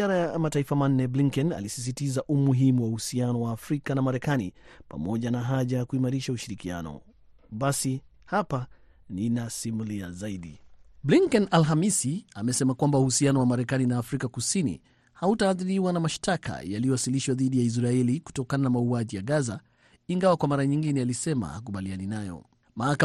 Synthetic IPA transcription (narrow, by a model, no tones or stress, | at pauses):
ziaɾajamataifaman̩ːɛbliŋkɛna̰lisis̬itizaʔumuɦimuwauhusianɔwaːfɾikanamaɾɛkanḭpa̰mɔʄanaɦaʄajakuimaɾiʃauʃiɾikia̰nɔ̰ | ɓasihapa | ninasimulia̰zaiɗibliŋkɛnalɦamisiamɛsɛmakwambauhusianɔwamaɾɛkaninaːfɾikakusinḭ | hautaːðiɾiwanamaʃtakʰa̰jaliɔwasiliʃwaðiɗijais̬ɾaɛliku̥tɔkananamauaʄijaɠaza | iŋɡawakwamaɾaɲiŋɡinɛalisɛma̰hakuɓalianinajɔ̰ | mahaka